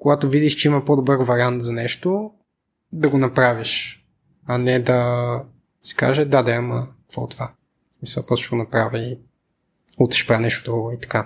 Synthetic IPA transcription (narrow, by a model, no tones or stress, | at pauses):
koɡat̪ovid̪iʃt͡ʃɛimɐpod̪obɤɾvɐɾʲiant̪zɐnɛʃt̪o | d̪ɐɡonɐpɾaviʃ | ɐnɛd̪ɐ | si̥ka̰ʒɛd̪ad̪ɛməkkvɔ̰t̪ova | smisɐlˠp̪ɔst̪ʃɛɡonɐpɾavʲəi | ut̪ɾɛ̥ʃpɾanɛʃt̪od̪ɾuɡoit̪ɐ̥ka